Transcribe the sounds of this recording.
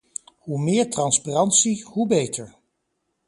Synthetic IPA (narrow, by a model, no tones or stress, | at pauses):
humɪːɹtrɑnsparɑntsiɦubejtʰəɹ